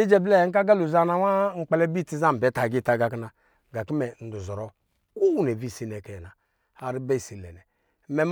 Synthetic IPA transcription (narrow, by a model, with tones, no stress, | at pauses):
i˦d͡ʒɛ˦blɛ˦˨ŋ̩˦k̬a˦ɡa˦lu˨za˦na˨wa˦ŋ̩˨k͡pɛ˦lɛ˦bi˦˨ti˦za˦m̩˨bɛ˨˦ta˨ɡi˦˨ta˨ɡa˨kna˨ | ɡa˨ki˦mɛ˨n̩˨du˨zɔ˨ɾɔ˨ | ku˦wne˨vi˦˨si˦nɛ˨kɛ˨na˨ | a˨ɾi˦ba˦i˨si˨lɛ̰˨nɛ˨˦ | mɛ˦m